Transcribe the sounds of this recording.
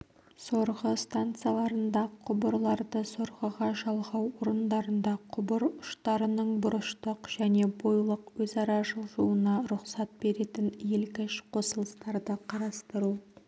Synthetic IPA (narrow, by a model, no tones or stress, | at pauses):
so̞ɾʁəst̪ant̪sɨjalˠɑɾənd̪ɑqʰʊbəɾlˠɑɾd̪əso̞ɾʁəʁɑʒɑlˠʁɑwoɾənd̪ɑɾənd̪ɑqʰʊbəɾʊʃt̪ɑɾənəɴbʊɾəʃt̪əqʒ̥æne̞bo̞jlˠəqwɵzɑɾɑʒəlˠʒuwənɑɾʊqsɑt̪̚be̞ɾe̞t̪ɪnelkʲɪʃqʰo̞səlˠəst̪ɑɾd̪əqʰɑɾɑst̪əɾu